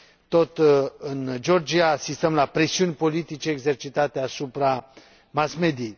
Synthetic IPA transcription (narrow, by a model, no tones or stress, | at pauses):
t̪o̞t̪ɨnd͡ʒo̞rd͡ʒiaːsist̪əmlapɾe̞siunʲpo̞lit̪it͡ʃe̞ːɡze̞rt͡ʃit̪at̪e̞asupɾa | masme̞d̪iej